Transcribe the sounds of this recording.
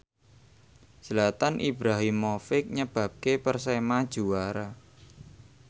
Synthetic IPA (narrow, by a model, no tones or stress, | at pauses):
səlat̪anʔibɾaɦimːofɪk̚ɲəb̥ä̤p̚kepərsemad̥ʒ̥ṳwaɾa